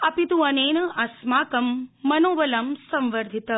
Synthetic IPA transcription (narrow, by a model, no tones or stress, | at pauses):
ɐpit̪uɐneːnɐʔɐsmaːkɐmːɐnoːʋɐlɐmsɐ̃mʋɐɾd̪ʱit̪ɐ